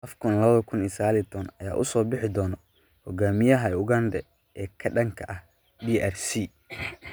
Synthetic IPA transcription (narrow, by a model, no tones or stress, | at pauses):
ʔɐfkʰʊnlɐβɐðɐkʰʊnisɐɣaːlit̪ʰɔːnɐja̰ːʔʊsɔːbɪħɪd̪ɔːnɔ | hɔɡaːmɪjɐɦɐʊɡɐnd̪ɛ | ʔɛːkʰɐɖɐŋkʰɐʔɐh | diʔɛrsiː